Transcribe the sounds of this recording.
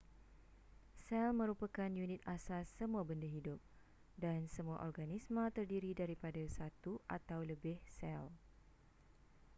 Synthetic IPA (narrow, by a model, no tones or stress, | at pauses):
sɛlmə̃ɾupakanjunĩt̪̚asasəmũabəndaɦidʊp̚ | dansəmũa̰ʔɔrɡanismə̃t̪ərdiɾidaɾipadasat̪uʔa̰t̪awləbɪhsɛl